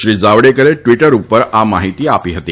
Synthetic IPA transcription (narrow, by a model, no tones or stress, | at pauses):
ɾiːd͡zaʋɽekəɾeʈʋiʈəɾupːəɾamaɦit̪iːapiːɦot̪i